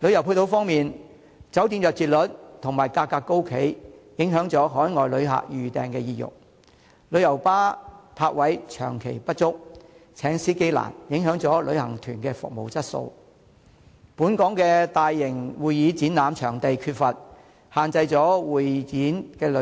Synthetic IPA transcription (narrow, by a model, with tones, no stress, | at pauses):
lɵ˨˧ɥjɐ˨˩wpʰu˧t̪o˨˧wfɔː˥ŋmiː˨n | t͡sɐ˨˥wt̪iː˧nmjœː˨k̚t͡siː˨t̚lɵ˨˥t̚t̪ʰʊ˨˩ŋmaː˨˩jkaː˧kːaː˧kːo˥wkʰe˨˥jjɪ˨˥ŋɦœː˨˥ŋt͡sɔː˨˥ɦɔː˨˥jŋɔː˨jlɵ˨˧ɥɦa̰ː˨k̚jyː˨t̪ɛ̰ː˨ŋkɛː˧jiː˨˧jʊ̰˨˩k̚ | lɵ˨˧ɥjɐ˨˩wpaː˥p̪ʰaː˧t̚wɐ˨˥jt͡ʃʰœː˨˩ŋkʰe˨˩jpɐ˥t̚t͡sʊ˥k̚t͡sʰɛː˨˥ŋsiː˥ke˥jla̰ː˨˩njɪ˨˥ŋɦœː˨˥ŋt͡sɔː˨˥lɵ˨˧ɥhɐ˨˩ŋt̪ʰyː˨˩nkɛː˧fʊ̰˨k̚mo˨˩wt͡sɐ˥t̚so̰˧w | puː˨˥nkɔː˨˥ŋkɛː˧t̪aː˨jːɪ˨˩ŋwuː˨jjiː˨˧t͡siː˨˥naː˨˧mt͡ʃʰœː˨˩ŋt̪e˨jkʰyː˧t̚fɐ˨t̚ | haː˨nt͡sɐ˧jt͡sɔː˨˥wuː˨˩jt͡siː˨˥nkɛː˧lɵ˨˥